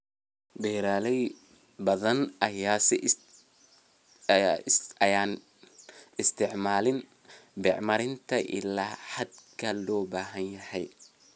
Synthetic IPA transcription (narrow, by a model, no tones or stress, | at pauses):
bɛːɾaːlɛj | bɐðɐnɐjaːsɪ | ɪɐjaːn | ɪst̪ʰɪʕmaːlɪn | bɛʕmɐɾɪnt̪ʰɐʔɪ̰laːħɐd̪̚kʰɐlɔːbaːɦɐnjɐhɛj